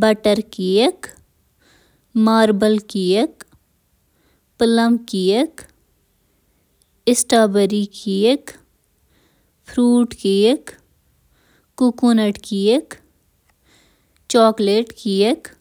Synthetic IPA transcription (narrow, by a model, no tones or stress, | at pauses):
bɐʈəɾkijək | maːɾbəlkijək | pələmkijək | ɪsʈaːbəɾikijək | pʰɾuːʈkijək | ukunəʈkijək | t͡ʃɔːkleːʈkijək